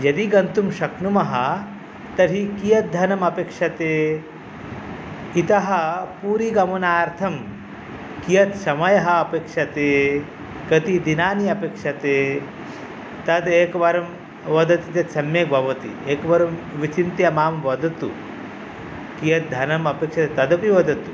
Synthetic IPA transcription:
jɐd̪iɡɐnt̪umʃɐknumɐɦɐ | t̪ɐɾɦikijɐt̪̚d̪ʱɐnɐmɐpeːkʂɐt̪eː | it̪ɐɦɐpuːɾiːɡɐmunaːɾt̪ʰɐm | kijɐt̪sɐmɐjɐɦɐːpeːkʂɐt̪eː | kɐt̪id̪inaːniɐpeːkʂɐt̪e | t̪ɐd̪eːkʋɐɾɐm | ʋɐd̪ɐt̪it̪ɐt̪sɐmjeːk̚bʱɐʋɐt̪ḭeːkʋɐɾɐmʋit͡ʃint̪jɐmaːmʋɐd̪ʱɐt̪ṵ | kijɐt̪̚d̪ʱɐnɐmɐpeːkʂɐt̪et̪ɐd̪ɐpiʋɐd̪ʱɐt̪u

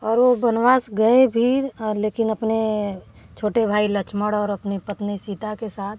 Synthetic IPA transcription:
ɔːɾʋobɐnʋaːsɡɐebʱiɾleːkɪnɐpne | t͡ʃʰoːʈebʱaːilət͡ʃʰməɽɔːɾɐpnipət̪nisiːt̪akesaːt̪ʰ

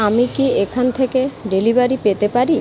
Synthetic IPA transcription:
amikiekʰant̪ʰekeɖelibaɾipet̪epaɾi

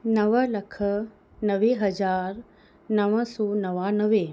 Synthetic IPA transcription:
nɐʋəlɐkʰə | nɐʋeɦɐzaːɾ | nɐʋəsɔːnɐʋaːnəʋe

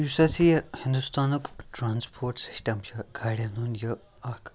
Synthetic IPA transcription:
jusɐt͡sihĩnd̪ust̪anukʈɾanspʰoːɾʈsi̥ʂʈɐmɕɐɡʱaɽʲjanunjə | akʰ

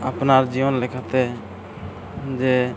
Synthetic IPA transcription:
apnaɾd͡ʒiɔnlekʰat̪ɛ | d͡ʒe

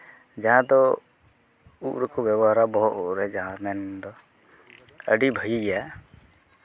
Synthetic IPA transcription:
d͡ʒaɦãd̪ɔ | uʔɾɔkɔbjɛbɔɦaɾabɔɦɔʔɔɾɛd͡ʒaɦãmɛnd̪ɔ | ə̰ɖibʱəjiɡɛja

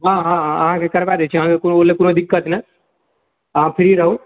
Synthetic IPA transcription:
ɦãːɦãɐɦãkekɐɾʋad̪et͡ʃʰɐɦãkekunoolekunod̪ɪkːət̪nə | ɐɦãpʰɪɾiɾɐɦũ

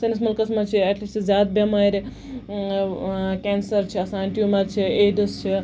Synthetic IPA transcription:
sɐnismɐlkɐsmɐt͡ʃʰiɛʈliszʲjaːd̪̚bʲɐmɐɾe | kʲensɐɾt͡ʃʰiɐsaːɳʈjumɐɾt͡ʃʰieːɖɨst͡ʃʰi

